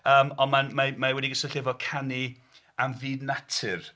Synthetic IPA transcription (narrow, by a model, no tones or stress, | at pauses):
əːmɔnmanmamawɛdiɡəsəɬɛvɔkʰani | amviːdnatʰɪr